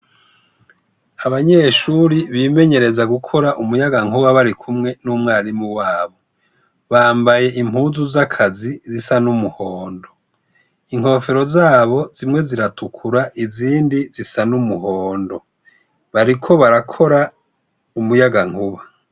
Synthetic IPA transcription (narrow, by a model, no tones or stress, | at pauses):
aβaɲe̞ʃuːɾiβiːme̞ɲe̞ɾe̞zaɡukʰo̞ɾaʔumujaɡaŋuβaβaɾikʰumŋe̞nuːmŋaːɾimuwaːβo̞ | βaːmbaje̞ʔim̥huːzuzakʰazizisanumuhoːndo̞ | iŋho̞feɾo̞zaːβo̞zimŋe̞ziɾatʰukʰuɾaʔiziːndizisanumuhoːndo̞ | βaɾikʰo̞βaɾakʰo̞ɾa | umujaɡaŋ̥huβa